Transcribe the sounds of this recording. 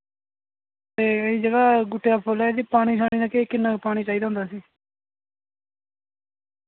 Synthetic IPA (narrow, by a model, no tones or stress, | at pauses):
t̪eːiːd͡ʒəɡaːɡʊʈːejaːpʰoːlɛeːd̪iːpaːɽ̃iːsaːɽ̃iːnãːkekːɪnːãːpaːɽ̃iːt͡ʃaːiːd̪aːɦʊ̃nd̪aːsiː